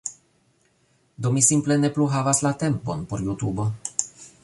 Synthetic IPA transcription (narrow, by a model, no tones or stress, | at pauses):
d̪omisimplenepluɦavaslat̪emponpoɾjut̪ubo